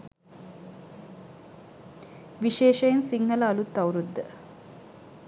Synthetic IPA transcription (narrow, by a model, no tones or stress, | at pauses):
ʋiʃeːʃɐjensiŋːɐlɐːlut̪ːɐwɾud̪ːə